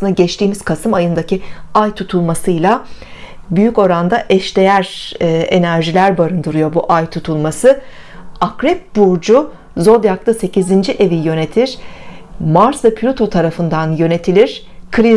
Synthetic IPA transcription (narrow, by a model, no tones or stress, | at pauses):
lɯnd̪aɟɛt͡ʃt̪ʰiːmiz̥kʰasɯmajɯnd̪aciajt̪ʰut̪ʰulˠmasɯjlˠa | byjyco̞ɾand̪aʔɛʃd̪e̞jæɾːe̞næɾʒilʲæɾbaɾɯnd̪ɯɾujo̞buʔajt̪ʰut̪ʰulˠmasɯ | akɾɛp̚buɾd͡ʒu | zo̞d̪jak̚t̪ˠase̞cizind͡ʒiʔe̞vijø̞ne̞t̪ʰiɾ̥ | maɾsɯpʰlʲut̪ʰo̞t̪ʰaɾafɯnd̪anjø̞ne̞t̪ʰilʲiɾ̥ | kʰɾi